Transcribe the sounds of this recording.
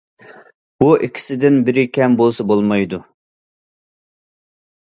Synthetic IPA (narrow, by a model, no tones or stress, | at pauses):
b̥uʔikʲʰi̥sɪd̪ɪnbɪɾɪkʲʰɛmbolˠsɑbolˠmɑjd̪u